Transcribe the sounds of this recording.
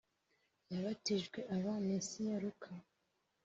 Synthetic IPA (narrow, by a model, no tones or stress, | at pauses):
jaβatiʒɡweʔaβamisijaɾukʰa